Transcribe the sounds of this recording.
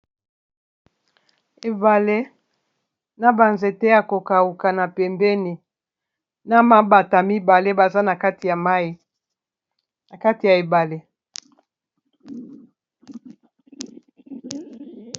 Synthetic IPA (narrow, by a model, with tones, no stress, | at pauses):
e˨ba˨le˦ | na˦ba˨nze˨tɛ˦a˨ko˨ka˨u˨ka˨na˨pɛ˨mbɛ˦ni˨ | na˦ma˦ba˨ta˨mi˦ba˨le˦ba˨za˦na˨ka˦ti˨a˨ma˦i˦ | na˨ka˦ti˨ja˨e˨ba˨le˦